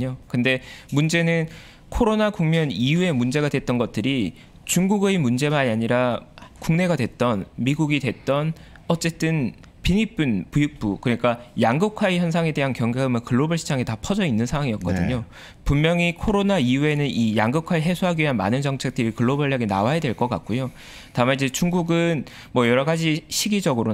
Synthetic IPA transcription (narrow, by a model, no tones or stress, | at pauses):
ɲokɯnde̞mund͡ʑe̞nɯn | kʰoɾonakuŋmjʌnijue̞mund͡ʑe̞ɡadwe̞t̚t͈ʌnɡʌt̚t͈ɯɾi | t͡ɕuŋɡuɡemund͡ʑe̞maɲiaɲiɾakuŋne̞ɡadwe̞t͈ʌnmiɡuɡidwe̞t̚t͈ʌn | ʌt͡ɕ͈e̞t͈ɯn | piɲip͈ɯnpujuk̚p͈ukɯɾʌɲik͈ajaŋɡɯkʰwaiçjʌnsʰaŋe̞de̞ɦankjʌŋɡaɯmɯkɯɭːobɯɭɕʰi̥d͡ʑaŋetapʰʌd͡ʑʌinːɯnsʰaŋwaŋiʌk̚k͈ʌdɯɲo | pummjʌŋikʰoɾonaiue̞nɯnijaŋɡɯkʰaɾɯɭɦe̞sʰoɦaɡiiɦanma̰nɯnt͡ɕʌŋt͡ɕʰe̞k̚t͈ɯɾikɯɭːobʌɭːaɡina̰wajadwe̞ɭk͈ʌk͈a̰k̚k͈ojo | tamaid͡ʑet͡ɕuŋɡuɡɯn | mwʌjʌɾʌɡad͡ʑiɕʰiɡid͡ʑʌɡɯɾo